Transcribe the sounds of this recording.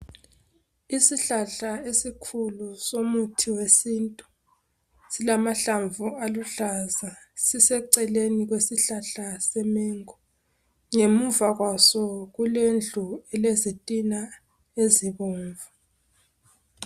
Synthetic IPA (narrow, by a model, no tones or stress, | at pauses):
isiɬaɬaesikʰulusomutʰiwesiːntʼu | silamaɬaɱvualuɬaza | sisɛǀɛleniɣwesiɬaɬasɛmeŋɔ | ŋemuvaɣwasɔɣulend͡ɮʱuɛlezitʼina | eziβɔːɱvʱa